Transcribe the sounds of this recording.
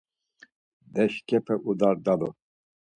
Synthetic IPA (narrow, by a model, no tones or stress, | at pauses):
d̪ɛʃkʰʼɛpʰɛʔud̪aɾd̪alu